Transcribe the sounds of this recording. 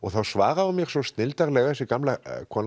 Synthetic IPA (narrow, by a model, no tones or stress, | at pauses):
ɔɣθawsvaːɣaʏmjɛɣ̥sɔst̪nɪlt̪aɾlɛɣðɛsɪkamlakʰva